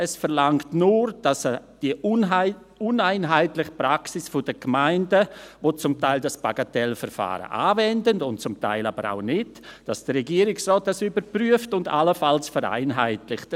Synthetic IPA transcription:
ɛsfəɾlaŋktnuːɾd̥asd̥i | ʊnaɪnɦaɪtlɪχə̥pɾaksɪsfʊd̥əɡ̥maɪndəvoːt͡sʊmtaɪldasb̥aɡ̥atɛlfɛɾfa̰ːɾə̰ʔa̰ːvɛndəndʊntt͡sʊmta̰ɪlabəɾa̰ʊnɪt | d̥asd̥əɾɛɡiːɾɪksrɔːt̚d̥asybəpɾyːəftʊnda̰ləfalsfəɾa̰ɪnɦa̰ɪtlɪxt

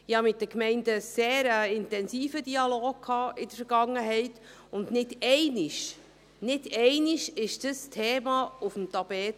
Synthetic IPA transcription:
ɪhɑmɪt̚d̥əkmɛɪndəseːɾəɪntɛnsiːfədiɑloːɡ̚kʰhɑːʔɪdəɾfəɾɡ̥ɑŋːəɦɛɪt | ʊndnɪdɛɪnɪʃ | nɪdɛɪniʃɪʃd̥əstʰɛːmɑufəm̩t̪ɑbɛːt

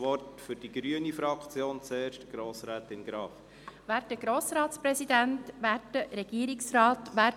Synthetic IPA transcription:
ʋɔrtfʏɾd̥iɡɾyənifɾɑkt͡sjoːnt͡seːɾʃtəɡ̥ɾoːsɾɛːtɪnɡ̥ɾɑːf | ʋæːɾtdəɡ̥ɾoːsɾɑːtspɾɛsid̪æntʋæːtdəɾɛɡ̥iːɾɪksrɑːtʋæː

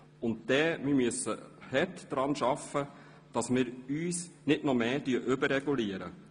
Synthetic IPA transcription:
ʊntd̥ɛːmimyəsːə̰hɛtd̥ɾɑnʃɑfə | d̥ɑsmɪːɾyːsnɪdnɔmeːtyːəʔʏbəɾɾɛɡuliəɾə̰

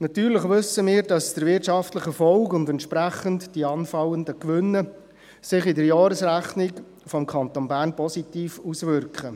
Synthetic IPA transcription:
nɑt̪yːɾləχʋʏsəmiːɾdɑsd̥əɾʋɪtʃɑftləχəfɔlkʊndɛntʃpɾæχəntdiɑːnfɑləndəkʋʏnːə | sɪχɪdəɾjɑːɾəsɾæχnɪk | fɔmkʰɑntonbæːɾnpɔsitiːfusvʏɾkχə

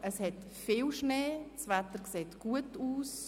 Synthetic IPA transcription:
əshɛt | fiːlʃneːsvɛtəɾkseːtɡ̥uətuːs

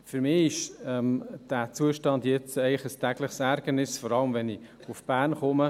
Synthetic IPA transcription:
fyɾmɪɪʃɛmd̥æt͡suəʃtɑndjɛt͡sɛɪləχəstæɡləχsæɾɡ̥ənɪsfɔɾɑləmvɛnɪʊfb̥æːrnχʊmə

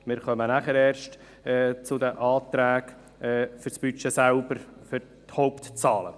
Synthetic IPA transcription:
mɪːɾχœmənæχəɾɛːɾʃt | ɛːt͡sʊd̪əʔɑːt̪ɾæːk | ɛːfʏɾsb̥yt͡ʃesælbəɾfʏɾ | thɔʊpt̪t͡sɑːlə̰

